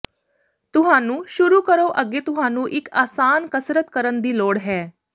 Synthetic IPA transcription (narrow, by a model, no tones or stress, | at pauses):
t̪ʊɦãnũːʃuɾuːkəɾoʔəɡet̪ʊɦãnũːʔɪkaːsaːnkəsɾət̪kəɾənd̪iːloːɽɦɛː